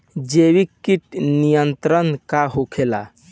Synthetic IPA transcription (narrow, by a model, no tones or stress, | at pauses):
d͡ʒewikːiʈnijənt̪ɾənkaɦokʰela̰